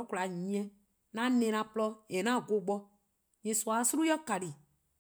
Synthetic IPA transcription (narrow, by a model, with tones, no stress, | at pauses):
kla˨ɲĩ˨ɛ̃˦ | nã˦nẽ˨nã˧plɔ˦e˨nã˦˨ɡo˨ɡ͡bɔ˦ | ɲĩ˨swa˨˦su˦ɾu˦jɔ˦ka˨ɾi˨